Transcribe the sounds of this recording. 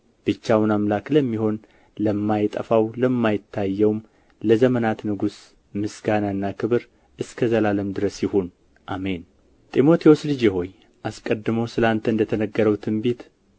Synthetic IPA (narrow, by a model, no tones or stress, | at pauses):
b̥ɨt͡ʃːawnamlakləmːiho̞n | ləmːajt̪ʼə̰fawləmːajɪt̪ʰːajːɛwm | ləzəmənat̪nɨɡus | mɨsɡanaɨnːakʰɨβɨɾ | ʔɨskʰəzəlaləmd̪ɨɾəsjɪhon | ʔame̞n | t̪ʼimo̞t̪ʰewo̞slɨd͡ʒjɛɦo̞j | ʔaskʼəd̪ːɨməwsɨlant̪ʰəɨnd̪ət̪ʰənəɡːəɾəwt̪ʰɨmbet̪